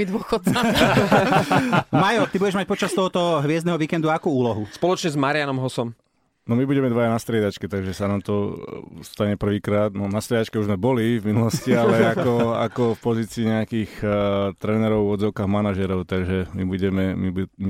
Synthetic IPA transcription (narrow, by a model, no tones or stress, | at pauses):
id̪ʋʊɔxɔd̪a | majɔt̪ibuɟɛʒmac̚pɔt͡ʃast̪ɔɦɔt̪ɔɦʋɪɛzd̪ɛɦɔʋiːkɛnd̪uaakuuːlɔɦuspɔlɔt͡ʃɲɛzmaɾɪanɔmɦɔsɔm | nɔmibuɟɛmɛd̪ʋajanast̪ɾɪɛd̪at͡ʃkɛt̪aɡʒɛsanaːmt̪ɔst̪aɲɛpr̩ʋiːkɾaːd̪nɔnast̪ɾɪɛd̪at͡ʃkɛuʒzmɛbɔlivminulɔscialɛakɔa̰kɔfpɔziːt͡siːɲɛakixt̪ɾɛnɛɾɔʊɔd̪d͡zɔʊkaːɣmanaʒɛɾɔʊt̪aɡʒɛmibuɟɛmɛmibum